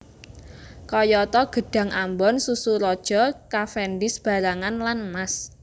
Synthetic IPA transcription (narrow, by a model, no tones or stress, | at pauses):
kɔjɔt̪ɔɡ̥ə̤ɖ̥ä̤ŋʔambɔnsusuɾɔd̥ʒ̥ɔ̤kafɛndɪsb̥a̤ɾaŋanlanmas